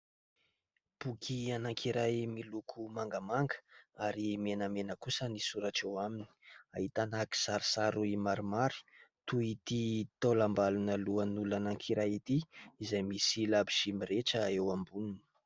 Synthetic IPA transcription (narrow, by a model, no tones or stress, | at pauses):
b̥ukʰianaŋkʰiɾajmilukʰumaŋɡəmaŋɡə̥aɾimenəmenəkusənisuɾaʈ͡ʂewamini̥ia̰ɦit̪anaki̥saɾsaɾuimaɾimaɾi̥t̪uit̪it̪olambalunəluənulanaŋkʰiɾajit̪iizajmisilabiʃimiɾeʈ͡ʂəewambununə̥